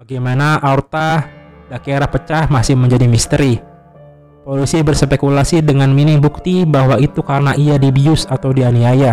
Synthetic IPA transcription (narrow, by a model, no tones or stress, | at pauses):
baɡajmanaʔart̪a | dakeɾapət͡ʃahmasɪhməɲd͡ʒadimist̪əɾi | polisibərsəpekulasidəŋanminɪŋbuk̚t̪ibahwait̪ukaɾənaʔiadibiʊsat̪awdianiaja